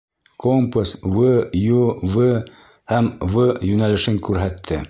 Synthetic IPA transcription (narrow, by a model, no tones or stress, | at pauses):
kompusvɤjuvɤ | hæmvɤjʉnælɘ̆ʃɘŋkʉɾɦæt̪ʰːɘ